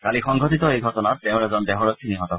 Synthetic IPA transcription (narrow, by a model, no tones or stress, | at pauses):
kalixɔŋɡʱɔtitɔejɡʱɔtɔnatːɛʊ̃ɹɛzɔndɛɦɔɹɔkʰiniɦɔtɔ